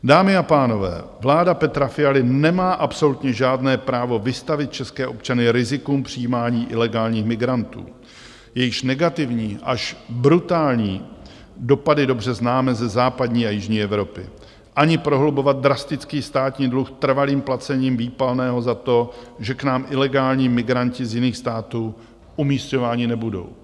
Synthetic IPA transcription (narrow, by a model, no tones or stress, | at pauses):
daːmɪapaːno̞vɛ̰ːvlaːdapɛt̪ɾafɪalɪnɛmaːʔapso̞lut̪ɲɛʒaːdnɛːpɾaːvo̞vɪst̪avɪt̪̚t͡ʃɛskɛːʔo̞pt͡ʃanɪɾɪzɪkuːmpr̝̥ijiːmaːɲiːʔɪlɛɡaːlɲiːxmɪɡɾant̪ṵː | jɛjɪʃnɛɡat̪ɪvɲiːʔaʃbɾut̪aːlɲiː | do̞padɪdo̞br̝ɛznaːmɛzɛzaːpadɲiːajɪʒɲiːɛvɾo̞pɪ̰ | ʔaɲɪpɾo̞ɦlubo̞vat̪̚d̪ɾast̪ɪt͡skiːst̪aːt̪ɲiːdluxt̪r̩valiːmplat͡sɛɲiːmviːpalnɛːɦo̞zat̪o̞ʒɛknaːmʔɪlɛɡaːlɲiːmɪɡɾancɪzjɪniːxst̪aːt̪uː | ʔumiːsco̞vaːɲɪnɛbudo̞̰w